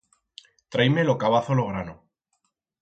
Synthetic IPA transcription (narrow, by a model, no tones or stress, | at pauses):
t̪ɾajmelokaβ̞aθoloɣ̞ɾano